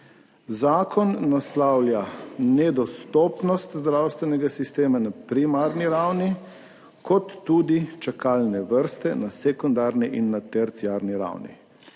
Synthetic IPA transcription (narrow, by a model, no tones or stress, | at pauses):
zaːkʰɔnːaslawljanɛd̪ɔst̪ɔːpnɔst̪zd̪ɾawst̪ʋɛnɛɡasist̪eːmanapɾimaːɾniɾawni | kɔt̪ːuːd̪it͡ʃakaːlnɛʋəɾst̪ɛnasɛkund̪aːɾniʔinːat̪ɛɾt̪siaːɾniɾa̰wnḭ